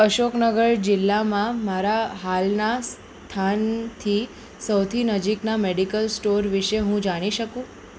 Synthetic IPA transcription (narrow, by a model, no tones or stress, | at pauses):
əʃoknəɡəɾd͡ʒɪlːamãmaɾaɦalnas | t̪ʰant̪ʰi | səwt̪ʰinəd͡ʒiknameɽikəlsʈoɾʋiʃeɦũd͡ʒaɽ̃iʃəkũ